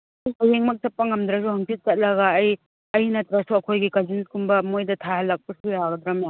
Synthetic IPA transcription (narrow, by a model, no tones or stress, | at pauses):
jsajeŋmɐk̚t͡ʃɐpːɐŋɐmd̪ɾɐs̬uhɐŋpʰit̚t͡ʃɐt̚lɐɡɐːj | ɐjnɐtɾasuɐkʰojɡikad͡ʒinskumbɐmojdɐtʰaɦɐlːak̚pɐsujaɡɐd̪ɾamja